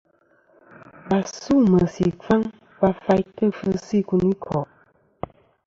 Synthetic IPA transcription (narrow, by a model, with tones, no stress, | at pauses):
ba˨su˦˨mə˨sḭ˨fa˦ŋ | pa˦fa˦jtə˦fə˦si˦˨ku˨ni˦kʰɔ˨ʔ